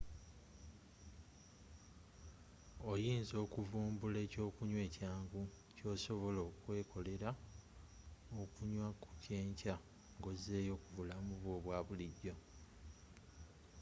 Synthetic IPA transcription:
ojiːnzo̞ːkuvuːmbule̞ːco̞ːkuɲwe̞ːcaːŋɡu | co̞ːso̞βo̞loːkwe̞ːkʰo̞le̞ɾa | okuɲwaku̥ceːɲca | ŋɡo̞zeːjo̞kuvulamuβwoːβwaːβuliɟːo̞

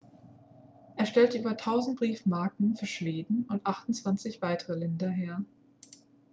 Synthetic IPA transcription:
ʔeːɐʃtɛltʔyːbɐtʰaʊzn̩t̚b̥ʁiːfmaɐkn̩fyːɐʃv̥eːdn̩ʊntʔaχtʊnt͡sv̥ant͡sɪçv̥aɪtʰəʁəlɪndɐɦeːɐ

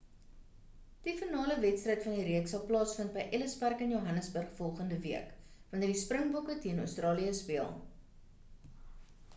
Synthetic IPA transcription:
d̥ifənɑːləvɛtstrəjtfɐndiɾiəksɐlˠplɑːsfənt̚bəjʔɛləspærkənjoɦɐnəsbərχfɔlˠχəndəviəkvɐntərdisprəŋbɔkətiənœ̰wstrɑːliəspiə̰lˠ

